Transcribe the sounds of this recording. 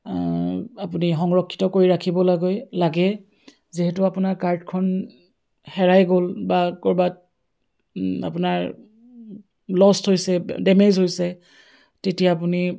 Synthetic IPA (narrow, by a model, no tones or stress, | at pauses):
apunixɔŋɹɔkʰːi̥tɔkoɹiɹakʰibɔlaɡɔjlaɡɛ | ziɦɛtʊapʊnaɹkaɹdkʰɔn | hɛɹajɡolbakɔɹbat̚ | a̰pʊnaɹ | lɔstɦojsɛdɛmezɦojsɛ | tetijaːp̬uni